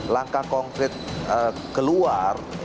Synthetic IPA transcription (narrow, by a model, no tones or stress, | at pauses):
laŋkakɔŋkɾɪt̪̚ə | kəluar